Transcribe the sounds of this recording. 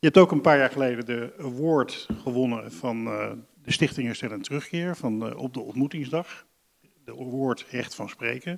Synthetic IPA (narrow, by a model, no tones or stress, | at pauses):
jəɛp̚towkənpaːɹjaːɹχəlejdədəʋʊːɹtχəʋɔnəvɑn | dəstɪχtɪŋɛstɛləntərɵχkɪːɹvɑnɔ̰p̚dəɔ̰ntmutɪŋzdɑχ | dəʋʊːɹtɦɛχtfɑnsprejkə